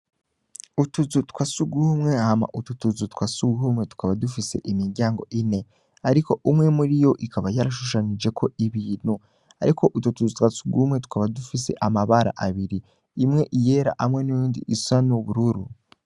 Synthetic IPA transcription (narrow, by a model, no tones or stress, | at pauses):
utuzutkwasuɡuhumŋe̞hama̰ʔututuzutkwasuɡuhumŋe̞tu̥kʰaβadufise̞̰ʔimiɾɟaːŋɡo̞̰ʔine̞ | aɾiko̞ʔumŋe̞muɾijo̞ʔikʰaβajaɾaʃuʃanid͡ʒe̞kʰo̞iβiːn̥hu | a̰ɾikʰo̞ʔututuzutkwasuɡumŋe̞tu̥kaβadufise̞̰ʔamaβaɾa̰ʔaβiɾi | imŋe̞ʔije̞ːɾa̰ʔamŋe̞nujuːndḭʔisanuβuɾuɾu